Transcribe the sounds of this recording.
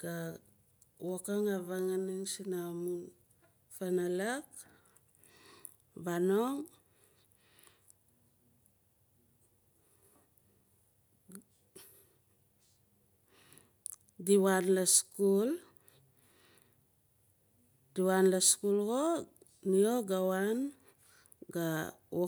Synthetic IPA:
ɡ̥a | wokaŋaβaŋaniŋsinamun | fanalak | βanoŋ | diwanlaskul | diwanlaskulɡo | nioɡawan | ɡao

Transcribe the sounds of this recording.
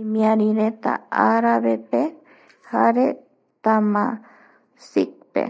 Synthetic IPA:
mĩãɾiɾet̪a̰aɾaβepe | haɾe | t̪amã | sik̚pḛ

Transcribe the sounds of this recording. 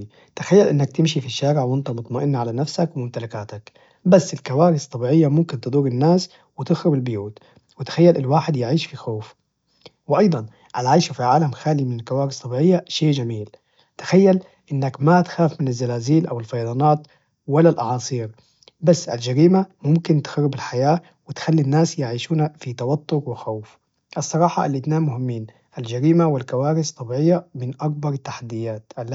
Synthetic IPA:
t̪axajːalʔɪnːak̚t̪ɪmʃifiʃːaːɾɪʕwɪnt̪ɑmʊt̪ˤmaʔɪnːaʕalanafsakwɪmʊmt̪alakaːt̪ak | basːɪlkawaːɾɪst̪ˤːɑbiːʕɪjːamʊmkɪnt̪ɨd̪ˤuːɾɪnːaːs | wɪt̪ɪxɾʊbɪlbʊjuːt̪ | wɪt̪ḁxajːalʔɪlwaːħɪd̪jɪʕiːʃfixoːf | wɪʔɑjd̪ˤɑn | ʔalʕajʃafiʕaːlamxaːlimɪnɪlkawaːɾɪsˤt̪ːˤɑbiːʕɪjːaʃeːʔd͡ʒamiːl | t̪ḁxajːal | ʔɪnːakmat̪xaːfmɪnazːalaːziːlʔawɪlfɑjd̪ˤɑːnɑːt̪ | walalʔɑ̰ʕɑːsˤiːɾ | basːʔa̰ld͡ʒaɾiːmamʊmkɪnt̪ɪ̥xaɾːɪbɪlħajaː | wɪt̪xalːinːaːsjɪʕiːʃuːnafit̪awɑt̪ˤːʊɾwɪxawf | ʔɑsˤːɑɾˤɑːħɑʔa̰lːit̪naːmmʊhɪmːiːn | ʔald͡ʒaɾiːmawɪlkawaːɾɪst̪ˤːɑbʕɪjːamɪnʔak̚bɑɾˤt̪ːaħad̪ːɪjːaːt̪ʔal

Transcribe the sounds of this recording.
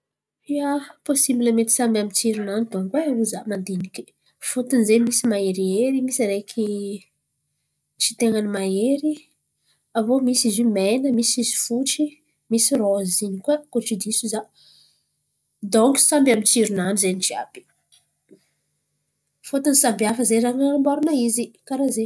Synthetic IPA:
iaposibiləmet̪i̥sambʲamit͡siɾunanid̪oŋkweavuzamand̪iniki̥ | fot̪unzemisimaeɾieɾimisaɾekʲʰi | t͡ʃi̥t̪eŋanimaeɾi | avomisizimenəmisizi̥fuʈ͡ʂi | misirozinikakoʈ͡ʂid̪isuza | d̪oŋki̥sambamint͡siɾunanizent͡ʃia̰b̥i̥ | fot̪unsambiafəzeɾaŋaanimboɾunaizikaɾaze

